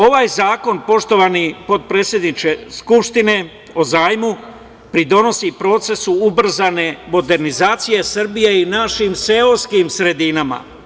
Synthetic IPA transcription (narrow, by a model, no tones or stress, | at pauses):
o̞ʋajzaːko̞npo̞ʃt̪o̞ʋanipo̞d̪̚pɾe̞t̪sʲje̞d̪nit͡ʃe̞skupʃt̪ine̞ | o̞zaːjmu | pɾid̪o̞no̞sipɾo̞ːt̪se̞suubr̩zane̞mo̞d̪e̞ɾnizaːt̪sije̞sr̩bijeinaʃimseoskimsɾe̞d̪inama̰